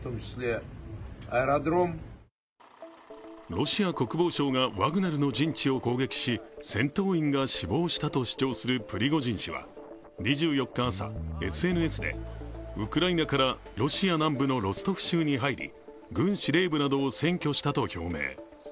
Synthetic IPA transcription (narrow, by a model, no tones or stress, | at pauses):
t̪omɕd̪e | aeɾad̪ɾom | ɾo̞ɕiako̞kɯ̟bo̞ːɕo̞ːɡaβaɡɯ̟naɾɯ̟no̞d͡ʑĩɲt͡ɕio̞ko̞ːɡe̞kʲi̥ɕisẽ̞nt̪o̞ːĩŋɡaɕibo̞ːɕi̥t̪at̪o̞ɕi̥t͡ɕo̞ːsɨɾɯ̟pɯ̟ɾʲiɡo̞ʑĩɲ̃ɕiβa̰ | ɲ̟iʑɨːjo̞kːaːsa̰e̞̰sɨe̞ːnɯ̟e̞sɨd̪e̞̰ɯ̟kɯɾainakaɾaɾo̞ɕianãmbɯ̟no̞ɾo̞sɨ̥t̪o̞ɸɯ̟̥ɕɨːɲ̟iɦaiɾʲḭ | ɡɯ̟̃ɰ̃ɕiɾe̞ːbɯ̟nad̪o̞ːsẽ̞ŋkʲo̞ɕi̥t̪at̪o̞çʲo̞̰ːme̞̰ː